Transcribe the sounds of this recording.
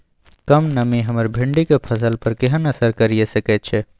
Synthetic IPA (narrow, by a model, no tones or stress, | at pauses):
kəmnəmiɦəməɾbʱiɳɖikepʰəsəlpəɾkeɦənəsəɾkəɾijesəkɛt̪̚t͡ʃʰɛ